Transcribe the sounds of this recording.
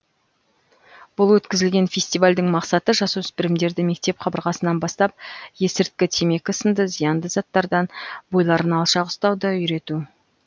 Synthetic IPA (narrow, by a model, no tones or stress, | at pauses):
b̥ʊlˠwɵt̪kʲɪzɪlɡʲe̞nfʲe̞sʲt̪ijvalʲd̪ɪŋmɑqsɑt̪əʒɑsuʏspɪɾɪmd̪e̞ɾd̪ɪme̞k̚t̪e̞pqʰɑbəɾʁɑsənɑnbɑst̪ɑp̚je̞sɪɾt̪̚kʲɪt̪ʰeme̞kʲɪsənd̪əzijɑnd̪əzɑt̪ːɑɾd̪ɑnbo̞jlˠɑɾənɑlˠʃɑqʊ̥st̪ɑwd̪ɑʏjɾe̞t̪u